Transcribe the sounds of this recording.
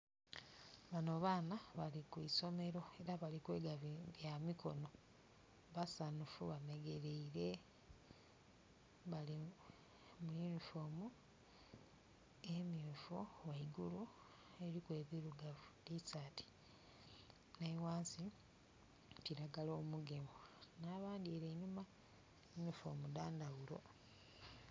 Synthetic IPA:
βano̞βaːnaβalikuiso̞me̞ɾo̞e̞ɾaβalikwe̞ːɡaβjamiko̞̰no̞ | βasanufuβameɡe̞ɾeiɾe̞ | βali | mujunifo̞ːmu | emifuwaiɡulu | e̞ɾikwe̞ːβiɾuɡavudisati̥ | naiwaːnsi | t͡ʃiɾaɡaloːmuɡe̞monaβaːndieɾeɲuma | junifo̞̰mudaːndaɣulo̞̰

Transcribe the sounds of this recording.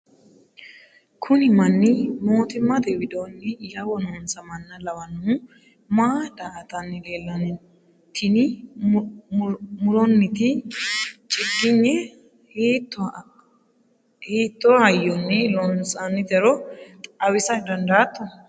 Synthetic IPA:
kʰʊnɪmɐnːɪmo̞ːt̪ɪmːɐd̪ɛwɪd̪oːnːɪjɐwɔnonsɐmɐnːɐlɐwɐnu | mad̪aːt̪ɐnːɪle̞ːlːɐnʊ | t̪ʰɪnɪ | mʊlɔnːɪt̪ɪ | t͡ʃʼɪɡːɪɲːɛ | htː | heːt̪ːohɐjːɔnːɛlɔnsɐnːɪd̪ɛɾɔt̪ʼɐwɪsɐd̪ɐnd̪aːt̪ːɔ

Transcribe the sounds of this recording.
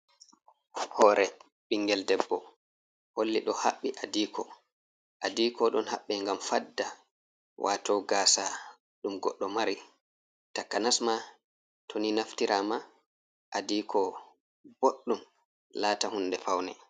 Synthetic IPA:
hɔːɾɛ | ɓiŋɡɛldɛbːɔ | holːiɗɔha̰ɓːiʔadiːkʰɔ̰ | ʔadikɔɗɔnha̰ɓːɛŋɡamfadːa | wʔa̰tɔɡaːsa | ɗumɡɔɗːɔmaɾi | takːanasma | tʰoninaftiɾʔama | ʔadiːkʰɔ | b̥oɗːum | laːtahundɛpawnɛ̰

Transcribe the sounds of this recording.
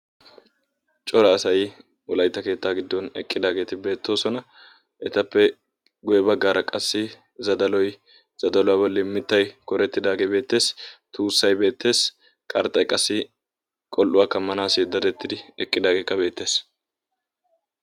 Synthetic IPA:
t͡ʃʼɔɾɐːsɐj | ʊlɐjt̪ːɐke̞ːt̪ːaːɡɪd̪ːɔnɛ̰kʼːɪd̪aːɡe̞ːt̪ɪbe̞ːt̪ːo̞ːsɔnɐ | ɛt̪ɐpːɛ | ɡʊjɛbɐɡːaːɾɐkʼɐsːɪ | zɐd̪ɐlɔj | z̥ɐd̪ɐlɔwaːbɐlːɪmːɪt̪ːɐjkɔɾɛt̪ːɪd̪aːɡebe̞ːt̪ːe̞ːst̪uːsːɐjbe̞ːt̪ːe̞ːs | kʼɐɾt̪ːɐjkʼɐsːɪ | kʼɔlʔʊwaːkːɐmːɐnaːsɪd̪ɐɾɛt̪ːɪd̪ɪɛkʼːɪd̪aːɡe̞ːkːɐbe̞ːt̪ːe̞ːs

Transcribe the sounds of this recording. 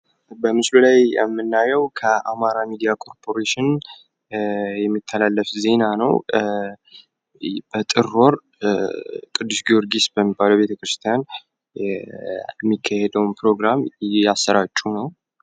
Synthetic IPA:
bəmɨslulajjɛ̰mːɨnːajəwkʰəʔamaɾamid̪ijakʰʼo̞ɾpʰo̞ɾeʃɪn | jɛmːit̪ʰːəlalːəfze̞nanəw | bət̪ʼɨɾo̞ɾ | kʼɨd̪ːusɡioɾɡisbəmːibaləwbe̞t̪ʰəkɾɨst̪ʰijan | mːikʰːahed̪əwnpʰɾo̞ɡɾamasːəɾat͡ʃʼːunəw

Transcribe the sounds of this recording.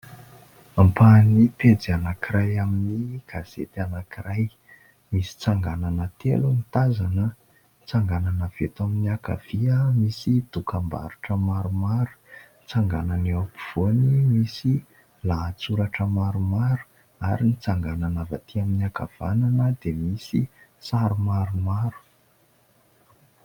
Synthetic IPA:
ampaniped͡zianakiɾajaminiɡ̥az̥ḛt̪anakiraj | misi̥t͡saŋɡananət̪ḛlunit̪azanə | t͡saŋɡananəv̥et̪aminiaka̰v̥iəmisid̪̥ukamba̰ɾuʈ͡ʂəmaɾumaɾu̥ | t͡saŋɡananeapiv̥onimisi | lat͡suɾaʈ͡ʂəmaɾumaɾu̥ | aɾinit͡saŋɡananava̰t̪iaminiaka̰v̥a̰nanəd̪emisisaɾumaɾumaɾu̥

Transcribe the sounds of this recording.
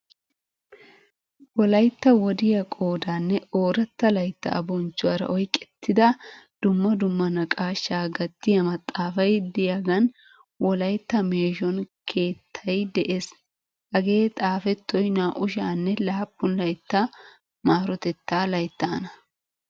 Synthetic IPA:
wɔlɐjt̪ːɐwɔd̪ɪjɐkʼo̞ːd̪aːnːɛo̞ːɾɐt̪ːɐlɐjt̪ːɐ̰ʔɐ̰bɔnt͡ʃːʊwɐɾɐ̰ʔɔjkʼɛ̥t̪ʰːɪd̪ɐd̪̥ʊmːɐd̪ʊmːɐnɐkʼaːʃːaːɡɐt̪ːɪjɐmɐt̪ʼːaːfɐjd̪ɪjaɡɐn | wɔlɐjt̪ːɐmeːʃɔnkʰe̞ːt̪ʰːɐjd̪ɛʔeːs | ʔɐɡe̞ːt̪ʼaːfɛt̪ːɔjnaːʔʊʃaːnːɛlaːpːʊnlɐjt̪ːɐ | maːɾɔt̪ɛt̪ːaːlɐjt̪ːaːnɐ

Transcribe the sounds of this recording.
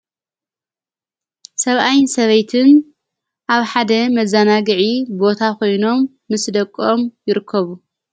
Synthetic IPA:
sɐβʔajnsɐβɐjt̪ʰɨn | ʔaβħad̪ɐmɐzanaɡɨʕibo̞t̪ʰakʰo̞jno̞mːɨsd̪ɐkʼːomjɪɾɨkʰːɐβu

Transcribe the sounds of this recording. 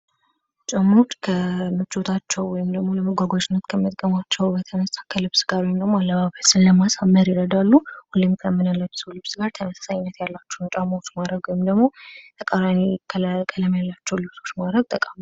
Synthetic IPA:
t͡ʃʼamot͡ʃːkʰəmɨt͡ʃʼːot̪ʰat͡ʃːɛwwɔjɪmd̪əɡmo̞ləmɨɡʷaɡwad͡ʒɪnːət̪kʰəmət̪ʼkʼəmat͡ʃːɛwbət̪ʰənəst̪ʼakʰəlɨβsɡaɾwɔjɪmd̪əɡmoalːəβaβəsɨnlːəmasamːəɾjɪɾəd̪alːuhulːɨmkʰəmːɨnəlːəbsulɨβsɡaɾt̪ʰəməsḁsaɲɪnːət̪jalːat͡ʃːɛwnt͡ʃʼamot͡ʃːmad̪ɾəɡwɔjɪmd̪əɡmo̞t̪ʼʰəkʼaɾankʰəlkʼələmjalːat͡ʃːɛwlɨβso̞t͡ʃːmad̪ɾəɡ̚t̪ʼəkʼam

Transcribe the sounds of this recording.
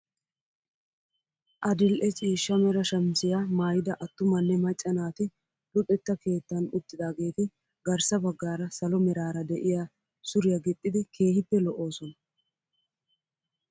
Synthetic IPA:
ʔɐd̪ɪlʔɛt͡sʼiːʃːɐmɛɾɐʃɐmsɪjamaːjɪd̪ɐʔɐt̪ːʊmɐnːɛmɐt͡ʃʼːɐnaːt̪ɪ | lʊt̪ʼːɛt̪ːɐke̞ːt̪ːɐnʊt̪ːɪd̪aːɡe̞ːt̪ɪ | ɡɐɾsɐbɐɡːaːɾɐsɐlɔmɛɾaːɾɐd̪ɛʔɪja | sʊɾɪjɐɡɪt̪ʼːɪd̪ɪkʰe̞ːhɪpːɛlɔʔo̞ːsɔnɐ

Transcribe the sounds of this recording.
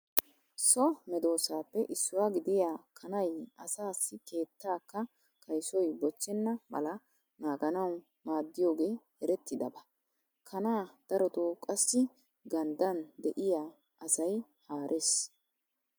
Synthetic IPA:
sɔmɛd̪o̞ːsaːpːɛʔɪsːʊwaːɡɪd̪ɪjaːkʰɐnɐjɐsaːsːɪke̞ːt̪ːaːkːɐ | kʰɐjsɔjbɔt͡ʃːɪnːɐmɐ̰lɐ | naːɡɐnɐw | maːd̪ːɪjo̞ːɡe̞ːhɛɾɛt̪ːɪd̪ɐ̰bɐ | kʰɐnaːd̪̥ɐɾɔt̪oːkʼɐsːɪ | ɡɐnd̪ɐnd̪ɛʔɪjaː | ʔɐsɐj | haːɾʔeːs

